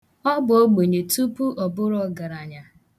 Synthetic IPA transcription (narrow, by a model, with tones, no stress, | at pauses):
ɔ˦bʊ˨o˦ɡ͡bo˨ɲe˨tu˦pu˦ʔɔ˨bʊ˦ɾɔ˦ɡa˨ɾa˨ɲa˨